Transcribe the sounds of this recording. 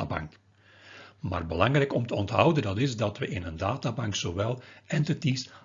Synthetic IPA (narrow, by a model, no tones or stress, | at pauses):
a̰bɑ̰ŋk | ma̰ːrbəlɑŋrɛjkɔmtəɔntɦʌwdəndɑtɪzdɑtʋəʔɪnəndaːtabɑŋksoʋɛlˠɛntətis